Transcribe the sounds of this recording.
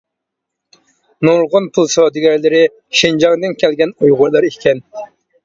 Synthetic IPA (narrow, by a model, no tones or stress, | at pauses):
nuɾʁʊnpʰulˠsɑd̪ɪɡʲɛɾlɪɾɪ | ʃind͡ʒɑŋd̪ɪnkʲʰælɡʲɛnujʁʊɾlˠɑɾikʲʰɛn